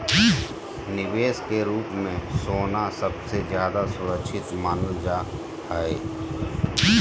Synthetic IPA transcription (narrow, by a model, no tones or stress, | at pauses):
nɪʋeːskeɾuːpmẽsoːnasəbsezjaːd̪asʊɾəkʃʰɪt̪maːnəld͡ʒa | hɛe